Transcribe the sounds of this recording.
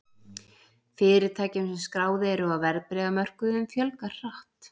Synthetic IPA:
fɪːɾɪɾt̪ʰaːjcɪmsɛmskɾaːwðɪɛɾʏɔavɛɾpɾɛːðamœr̥kʏðʏmfjœlkaɾ̥r̥aht̪

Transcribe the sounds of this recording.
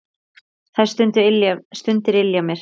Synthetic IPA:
θaj̥st̪ʏnt̪ʏɪljast̪ʏnt̪ɪɾɪljamjɛɾ̥

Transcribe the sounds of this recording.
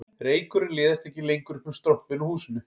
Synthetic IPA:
ɾeːjkʏɾɪlɛːðɪst̪ɛhcːɪlejŋkʏɾkɛmst̪ɾohpɪnɔhuːsɪnʏ

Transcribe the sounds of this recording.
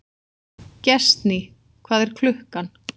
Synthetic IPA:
cɛst̪ni | kʰvaːðɛɾ̥kʰlʏhkan

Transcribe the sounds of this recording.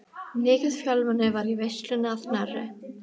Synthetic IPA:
neːkɪðfjœlvanɪvaɾivɛst̪lʏnaðnarːɪ̰

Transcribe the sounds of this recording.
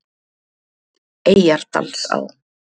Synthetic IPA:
eːjaɾ̥t̪a̰lsa̰w

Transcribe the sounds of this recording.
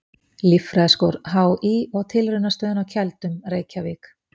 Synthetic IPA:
lifɾɛðskowɾɦaːwiɔɣt̪ʰɪlrɪnːast̪œːðʏnawcʰɛlt̪ʏmreːjcavɪːk

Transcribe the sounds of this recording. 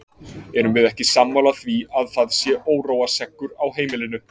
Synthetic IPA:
ɛɾʏmvɪðɛhcɪsamːawlaθviaðθaðsjɛʔoːwɾoːwasɛkːʏɾawɦeːjmɪlɪnʏ

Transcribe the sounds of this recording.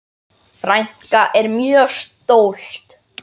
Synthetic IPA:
fɾajɲ̥kaʔɛɾmjœːɣst̪owl̥t̪

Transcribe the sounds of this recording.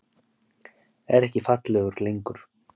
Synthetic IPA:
ɛɾɛhcɪfat̪lɛɣʏɾlejŋkʏɾ̥

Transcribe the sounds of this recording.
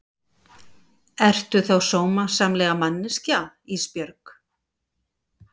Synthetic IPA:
ɛr̥t̪ʏθowsoːwmasaːmlɛːɣamanːɪsca | ispjœɾk

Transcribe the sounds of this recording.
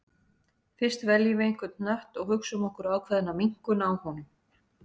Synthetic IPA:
fɪr̥st̪vɛljɪvejŋ̥kvʏɾt̪nœht̪ɔɣhʏksʏmɔhkʏɾaːwkʰvɛðɪnamiŋ̥kʏnaːwhɔnʏm

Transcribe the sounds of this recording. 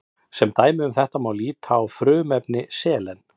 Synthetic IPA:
sɛmt̪aːjmɪʏmθɛht̪amaːwliːt̪ʰawfɾʏːmɛpnɪsɛːlɛn

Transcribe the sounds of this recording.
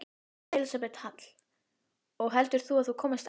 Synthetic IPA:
elisapɛt̪hat̪l̥ | ɔɣɦɛlt̪ʏɾ̥θuaðθukʰɔːmɪst̪

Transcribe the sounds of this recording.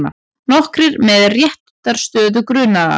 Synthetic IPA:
na̰ | nɔhkɾɪɾmɛðrjɛht̪t̪aɾ̥st̪œːðʏkɾʏnaa̰

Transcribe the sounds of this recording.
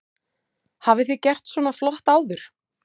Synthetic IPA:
haːvɪθicɛr̥t̪swɔːnaflɔht̪aːwðʏɾ̥

